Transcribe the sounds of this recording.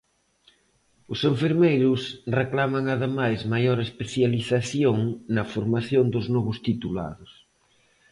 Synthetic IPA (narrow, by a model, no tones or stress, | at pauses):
ʊseɱfeɾmejɾʊsreklamaŋaðemajzmajoɾespeθjaliθaθjoŋnɐfoɾmaθjond̪ʊznɔβʊst̪it̪ula̰ðʊs